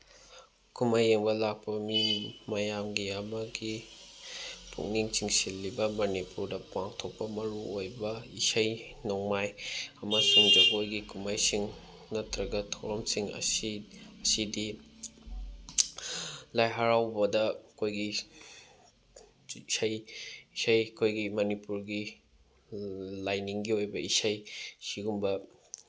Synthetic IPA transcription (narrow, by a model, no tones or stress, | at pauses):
kʰumajːeŋbɐlak̚pɐmimɐjamɡiɐmɐɡi | pʰṵŋniŋt͡ʃiŋsilːibɐmɐnipuɾdɐpaŋtʰok̚pɐmɐɾuojbɐisɐj | noŋmajɐmɐsuŋdɐʔojɡikʰumajsiŋ | nɐtʰɾɐɡɐtʰowɾɐmsiŋɐ̰ | ɐsidi | lajɦaɾawbɐdɐkʰojɡi | sɐjisɐjkʰojɡimɐnipuɾɡi | lajniŋɡiojbɐisɐjsiɡumbɐ